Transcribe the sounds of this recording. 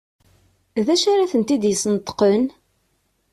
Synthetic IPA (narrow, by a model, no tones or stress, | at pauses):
ðæʃaɾaθənt̪id̪jəsˤnət̪ːˤqən